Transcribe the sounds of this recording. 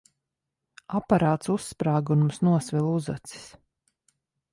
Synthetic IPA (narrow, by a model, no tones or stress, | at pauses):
apaɾaːt̪susːpɾaːɡumusnuɔsvilˠuza̰t̪si̥s